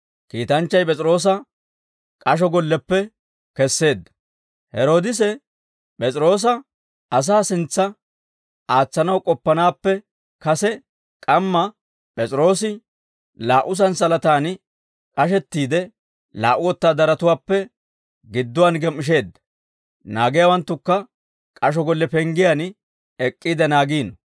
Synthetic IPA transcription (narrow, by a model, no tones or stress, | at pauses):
kiːt̪ɐnt͡ʃːɐjpʼɛt͡sʼɪɾo̞ːs̬ɐ | kʼɐʃ̬ɔɡɔlːɛpːɛ | kɛsːe̞ːd̪ːɐ̥ | hɛɾo̞ːd̪ɪs̬ɛ | pʼɛt͡sʼɪɾo̞ːs̬ɐ | ɐs̬aːsɪnt͡sːɐ | aːt͡sːɐnɐwkʼɔpːɐnaːpːɛ | kɐsɛ | kʼɐmːɐ | pʼɛt͡sʼɾo̞ːsɪ | laːʔʊs̬ɐnsɐlɐt̪aːn | kʼɐʃ̬ɛt̪ːiːd̪ɛ | la̰ːʔʊwɔt̪ːaːd̪ɐɾɐt̪ʊwaːpːɛ | ɡɪd̪ːʊwanɡɛmːɪʃ̬e̞ːd̪ːɐ̥ | naːɡɪjawɐnt̪ːʊkːɐ | kʼɐʃ̬ɔɡɔlːɛpɛŋɡɪjan | ɛkʼːiːd̪ɛnaːɡiːnɔ